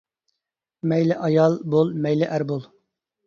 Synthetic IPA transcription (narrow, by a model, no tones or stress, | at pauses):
mɛjlɪʔɑjɑlˠbolˠmɛjlɪʔæɾbolˠ